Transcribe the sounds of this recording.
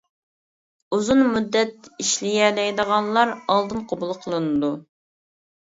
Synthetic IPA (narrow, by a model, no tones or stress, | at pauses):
uzunmud̪ːɛt̪iʃlɪjɛd̪ɛjd̪əʁɑnlˠɑɾɑlˠd̪ɨnqʰobulˠqʰəlˠɨnɨd̪u